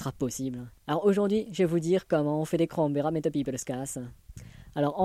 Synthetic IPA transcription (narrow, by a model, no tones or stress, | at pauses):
sχapɔsiblalɔʁoʒuʁd̪ɥiʒɛvud̪iːʁkɔmɑ̃ɔ̃fɛd̪ekχɑ̃ɔ̃vɛʁamet̪ɔpipeləskas | alɔʁɑ̃